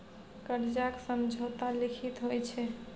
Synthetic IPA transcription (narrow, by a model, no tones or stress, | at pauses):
kəɾd͡ʒaksəmd͡ʒʱot̪alikʰit̪ɦojt͡ʃʰɛ